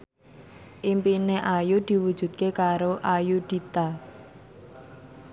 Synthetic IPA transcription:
ʔimpineʔajud̪̥i̤wu̥ʒ̥ṳt̪̚kekaɾoʔajuɖ̪̥i̤t̪a

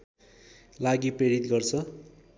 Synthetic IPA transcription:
laɡipreɽit̪ɡʌrt͡sʰʌ

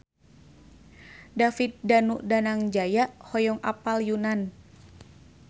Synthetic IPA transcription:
dafit̪̚danuʔdanaŋd͡ʒajaʔhɔjɔŋʔa̰paljunan

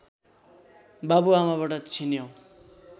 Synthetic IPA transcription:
babuamaβaʈʌt͡sʰinjow

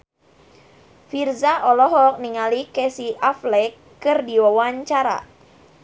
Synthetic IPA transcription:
firzaʔɔlɔɦɔk̚niŋalikɛsiʔaflɛkː | ɨrdiwawaɲt͡ʃaɾa̰

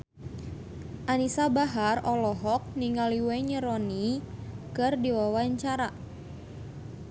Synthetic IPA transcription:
ʔanisabaɦarɔlɔɦɔk̚niŋaliwɛɲəɾɔnikɨrdiwawaɲt͡ʃaɾa

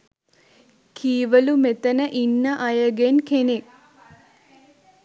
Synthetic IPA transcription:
kʰiːʋɐlumet̪ɐnɐʔinːɐʔɐjɐɡenkenek

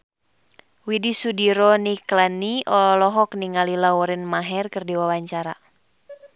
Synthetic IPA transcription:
widisudiɾɔniklaniʔɔlɔlɔɦɔk̚niŋalilaɔɾɪnmaɦɛrkɨrdiwawaɲt͡ʃaɾa̰

